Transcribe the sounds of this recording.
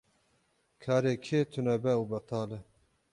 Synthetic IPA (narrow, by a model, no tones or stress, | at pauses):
kʰaːɾeːkʰeːt̪ʰunɛbɛubɛt̪ɑːlɛ